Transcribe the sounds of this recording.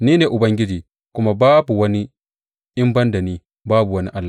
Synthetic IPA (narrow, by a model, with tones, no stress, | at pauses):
niː˦ne˨ʔʊ˨bɐ˦ŋɡʲɪ˦d͡ʒiː˨ | kʊ˦ma˨baː˦bu˨wɐ˦ni˦ | ʔɪ˦mbɐ˦nda˨niː˦ | baː˦bu˨wɐ˦ni˦ʔa˦lːa˨